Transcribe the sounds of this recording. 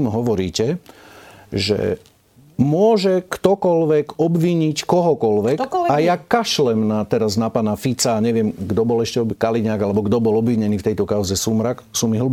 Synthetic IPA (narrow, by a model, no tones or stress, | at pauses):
mɦɔʋɔɾḭːcɛ | ʒɛ̰ | mʊɔʒɛkt̪ɔkɔlʋɛkɔbʋiɲickɔɦɔkɔlʋɛkajakaʃlɛmnat̪ɛɾaznapanafit͡saːɲɛʋɪɛmɡd̪ɔbɔlɛʃcɛɔkaliɲaːɡalɛbɔɡd̪ɔbɔlɔbʋiɲɛniːft̪ɛjt̪ɔkaʊzɛsumɾaksuːmiɦl̩b